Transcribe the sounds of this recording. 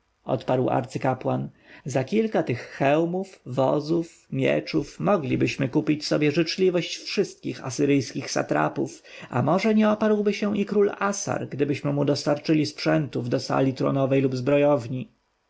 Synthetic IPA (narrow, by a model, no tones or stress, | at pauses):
ɔ̰t̪paɾwa̰ɾt̪sɘkapwan | zakʲilkat̪ɘxːɛwmufvɔ̰zuf | mʲjɛ̰t͡ʂufmɔɡlʲibɘɕmɘkupʲit͡ɕsɔbʲjɛʐɘt͡ʂlʲivɔɕt͡ɕfʂɘst̪̚kʲixa̰sɘɾɘjskʲixsa̰t̪ɾa̰puf | a̰mɔʐɛɲɛɔpaɾwbɘɕɛ̃ikɾulasa̰ɾɡd̪ɘbɘɕmɘmud̪ɔst̪aɾt͡ʂɘlʲispʂɛnt̪uvd̪ɔsa̰lʲit̪ɾɔ̰nɔvɛjlubzbɾɔjɔvɲi